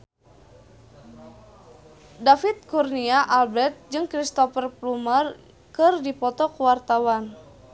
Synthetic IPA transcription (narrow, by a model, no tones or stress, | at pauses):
dafit̪̚kurniaʔalbɛrt̪̚d͡ʒɨŋkɾist̪ɔfərplumər | kɨrdipɔt̪ɔkuwart̪awan